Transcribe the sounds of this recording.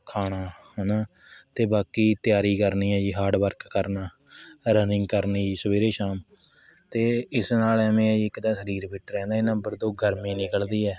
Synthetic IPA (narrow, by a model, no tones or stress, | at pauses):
kʰaːɽ̃aːhnaː | t̪eːbaːkiːt̪ɪjaːɾiːkəɾniːɛːd͡ʒiːɦaːɖʋəɾkːəɾnaː | ɾənɪ̃ŋɡkəɾniːiːsəʋeːɾeːʃaːm | t̪eːɪsnaːlɛmẽːɪkd̪aːsəɾiːɾpɪʈɾɛ̃ːnd̪aːɪnə̃mbəɾd̪oːɡʱəɾmĩːnɪkəld̪iːɛː